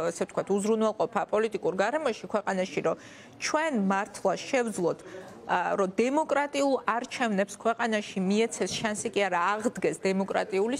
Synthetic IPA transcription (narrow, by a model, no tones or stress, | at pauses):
asɛvft̪ʰkwat̪ʰuzɾunwɛlˠqʼɔpʰapʼɔlit̪ʼikʼuɾɡaɾɛmɔʃikʰwɛqʼanaʃiɾɔ | t͡ʃʰwɛnmaɾt̪ʰlˠaʃɛvd̪zlˠɔt̪ʰ | ɾɔd̪ɛmɔkʼɾat̪ʼiulˠaɾt͡ʃʰɛvnɛpskʰwɛqʼanaʃimiɛt̪sʰɛsʃansikʼiaɾaːʁd̪ɡɛsd̪ɛmɔkʼɾa̰t̪ʼiuli